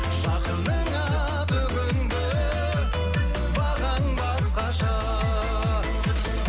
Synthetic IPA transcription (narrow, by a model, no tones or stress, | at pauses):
ʒɑqənd̪əŋɑ | bɵɡʲɪnd̪ɪ | bɑʁɑŋbɑsqɑʃɑ